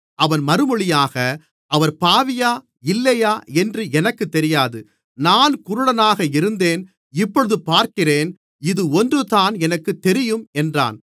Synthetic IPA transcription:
ʔɐʋɐnmɐɾɯmɔɭɪjaːɣɐ | ʔɐʋɐɾpaːʋɪjaː | ɪlːɐjaːɛndrɯɛnɐkːɯt̪ːɛɾɪjaːðɯ | naːnkʊɾʊɽɐnaːɣɐɪɾɯnd̪eːn | ɪpːɔɻɯðɯpaːɾkɪreːn | ɪðɯɔndrɯt̪aːnɛnɐkːɯt̪ːɛɾɪjɯmɛndra̰ːn

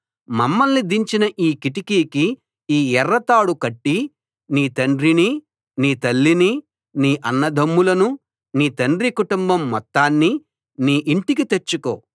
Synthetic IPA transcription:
mɐmːɐlnid̪iɲt͡ʃinɐʔiːkiʈikiːki | iːɛɾːɐt̪aːɽukɐʈːi | niːt̪ɐɳɖɾini | niːt̪ɐlːini | niːʔɐnːɐd̪ʱɐmːulɐnu | niːt̪ɐɳɖɾikuʈumbɐmːɔt̪ːaːnːi | niːʔiɳʈikit̪e̞t͡ʃːuko̰ː

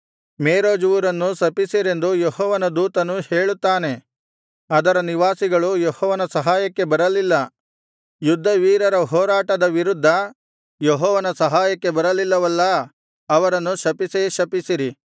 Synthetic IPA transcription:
meːɾoːd͡ʒuʋuɾɐnːusɐpisiɾe̞nd̪ujoɦɔːʋɐnɐd̪uːt̪ɐnuheːɭut̪ːaːne̞ | ɐd̪ɐɾɐniʋaːsiɡɐɭujɔhɔːʋɐnɐsɐɦaːjɐkːe̞bɐɾɐlilːɐ | jud̪ʱːɐʋiːɾɐɾɐɦɔːɾaːʈɐd̪ɐʋiɾud̪ʱːɐ | joɦɔːʋɐnɐsɐɦaːjɐkːe̞bɐɾɐlilːɐʋɐlːɐ | ɐʋɐɾɐnːuʃɐpiseʃɐpisiɾi

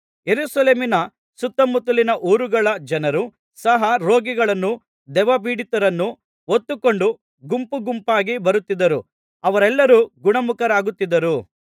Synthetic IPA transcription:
je̞ɾuːsɐleːminɐ | sut̪ːɐmut̪ːulinɐʔuːɾuɡɐɭɐd͡ʒɐnɐɾu | sɐɦɐɾoːɡiɡɐɭɐnːu | d̪ɛʋɐbiːɽit̪ɐɾɐnːu | ot̪ːukoɳɖu | ɡumpuɡumpaːɡibɐɾut̪ːid̪ɐɾu | ɐʋɐɾɛlːɐɾuɡuɳɐmukɐɾaːɡut̪ːid̪ɐɾu

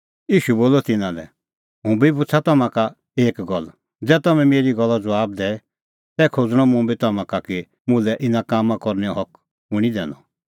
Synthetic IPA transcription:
jiːʃuboːlɔt̪ɪnãlɛ̰ | ɦũbibʊt͡sʰat̪ɔmãka | eːkɡɔl | d͡zɛːt̪ɔmɛ̃meːɾiɡɔlːad͡zɔwaːbd̪ɛ | t̪ɛːkʰod͡zɽ̃ɔmũbit̪ɐmãkaki | mʊ̃lɛʔɪnãkaːmãkɔɾnɛɔɦɔk | ʊ̃ɽ̃id̪ɛ̰̃ːnɔ̰

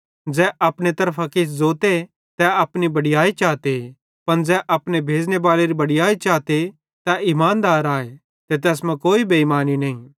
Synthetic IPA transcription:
d͡ʒɛːʔɐpɽ̃et̪ɐɾpʰakɪszoːt̪e | t̪ɛɐpnibɐɽɪjaːit͡ʃaːt̪e | pɐnd͡zɛːʔɐpnebʱeːd͡ʒneʋaːleɾibɐɽɪjaːit͡ʃaːt̪e | t̪aʔɪmaːnd̪aːɾaːe | t̪et̪̬ɛːsmɛ̃koːibeimaːninɐɦĩ

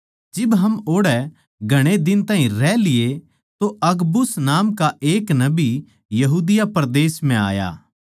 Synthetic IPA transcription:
d͡ʒɪbɦɐmoːɽɛ | ɡʱɐɽ̃ed̪ɪnt̪aːɦĩɾɛlɪje | t̪oʔɐɡbʊsnaːmkaʔeːknɐbi | jɐɦuːd̪ɪjapɐɾd̪eːsm̤ɛ̃a̰ːja̰ː

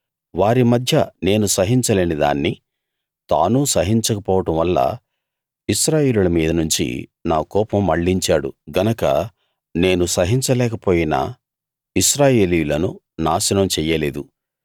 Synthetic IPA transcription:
ʋaːɾimɐd̪ʱjɐne̞ːnusɐɦiɲt͡ʃɐle̞ːnid̪a̰ːnːi | t̪a̰ːnusɐɦiɲt͡ʃɐkɐpɔːʋɐʈɐmʋɐlːɐ̰ | iʃɾaːje̞ːlulɐmiːd̪ɐnuɲt͡ʃḭnaːkɔːpɐmːɐɭːiɲt͡ʃaːɽṵɡɐnɐkɐ̰ | ne̞ːnusɐɦiɲt͡ʃɐlɛːkɐpoːjina̰ | iʃɾaːje̞ːlijulɐnu | naːsɐnɐmt͡ʃɛːjːɐle̞ːd̪u

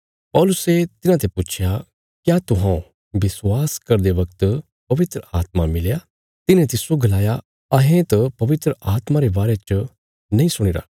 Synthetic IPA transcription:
pɔːlʊset̪ɪnãt̪̬eput͡ʃʰja | kjat̪ʊɦã | bɪswaːskɐɾd̪eʋɐk̚t̪ | pɐʋɪt̪ɾəaːt̪̚mamɪlja | t̪ɪnẽt̪ɪsoɡɐlaːja | ɐɦẽt̪ɐpɐʋɪt̪ɾəʔaːt̪maɾebaːɾet͡ʃə | nɐɦĩsʊɽ̃ɪɾa̰ː

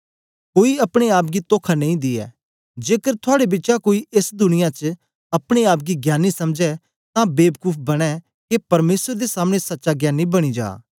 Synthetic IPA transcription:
koːiɐpɽ̃eaːp̚ɡit̪oːkʰanɐ̃ĩd̪ɪɛ̰ː | d͡ʒeːkəɾt̪ʰʊaːɽebɪtːt͡ʃakoːiʔesd̪ʊnɪjãt͡ʃə | ɐpɽ̃eaːp̚ɡiɡjaːnːisɐmd͡ʒɛ | t̪ãbeːbkuːpʰbɐɽ̃ɛ | kepɐɾmeːsəɾd̪esaːmɽ̃esɐtːʃaɡjaːnːibɐɽ̃id͡ʒa̰ː

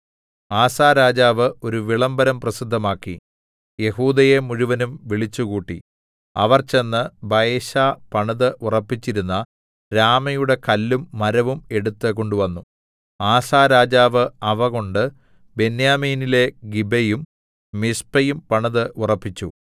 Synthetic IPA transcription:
aːsaːɾaːd͡ʑaːʋɨo̞ɾuʋiɭɐmbɐɾɐmprɐsid̪ʱːɐmaːkːḭ | je̞huːd̪ɐje̞muɻuʋɐnumʋiɭit͡ɕːukuːʈːi | ɐ̰ʋɐrt͡ɕe̞nːɨbɐjeɕaːpɐɳɐðɨʔurɐpːit͡ɕːiɾunːɐ | ɾaːmɐjuɽe̞kɐlːumːɐɾɐʋume̞ɽut̪ːɨko̞ɳɖuʋɐnːu | aːsaːɾaːd͡ʑaːʋɨɐʋɐɣo̞ɳɖɨ | be̞njaːmiːnile̞ɡibɐjum | mispɐjumpɐɳɐðɨʔurɐpːit͡ɕːu

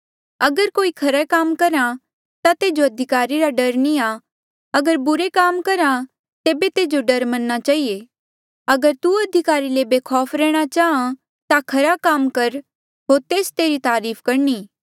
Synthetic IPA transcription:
ɐɡəɾkoːikʰɐɾɛkaːmkɐɾã | t̪at̪eːd͡ʒoɐd̪ʱɪkaːɾiɾaɖɐɾnia | ɐɡəɾbʊɾekaːmkɐɾã | t̪eːbet̪eːd͡ʒoɖɐɾmɐnːat͡ʃaːɦie | ɐɡəɾt̪uɐd̪ʱɪkaːɾilebeːkʰɔːfɾɛːɽ̃at͡ʃaːɦã | t̪akʰɐɾakaːmkɐɾ | ɦoːɾt̪eːst̪eːɾit̪aːɾiːpʰkɐɾniː

